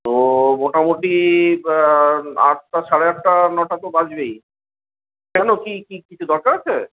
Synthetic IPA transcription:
t̪omoʈamuʈi | a̰tt̪ːaʃaɽeɛk̚ʈanɔʈat̪obad͡ʑbej | kɛnokikikit͡ɕʰud̪ɔɾkaɾat͡ɕʰḛ

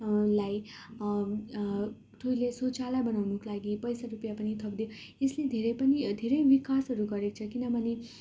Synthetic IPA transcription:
laj | ʈʰojlesot͡salabʌnawnʌkolaɡipʌjsaɾupjapʌnit̪ʰʌpd̪eo | esled̪ʱeɾʌjpʌnid̪ʱeɾʌjbikasɦʌɾuɡʌɾek̚t͡sʰʌkinʌbʱʌne

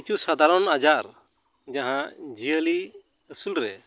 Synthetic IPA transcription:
t͡ʃusad̪ʱaɾɔnad͡ʒaʔɾ | d͡ʒaɦãd͡ʒijəli | əsulɾɛ

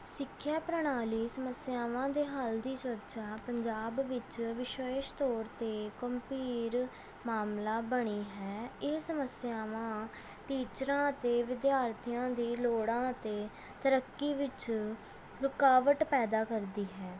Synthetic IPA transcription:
sɪkʰːjaːpɾəɳ̃aːliːsəməsjaːʋãːd̪eːɦəld̪iːt͡ʃəɾt͡ʃaːpəɲd͡ʒaːbʋɪt͡ʃʋɪʃəɪʃt̪oːɾt̪eːkəmpiːɾ | maːmlaːbəɽ̃iːɦɛːɪːsəməsjaːʋãː | ʈiːt͡ʃɾãːt̪eːʋɪd̪jaːɾt̪ʰijãːd̪iːloːɽãːt̪eː | t̪əɾəkːiːʋɪt͡ʃ | ɾʊkaːʋəʈpɛːd̪aːkəɾd̪iːɦɛː

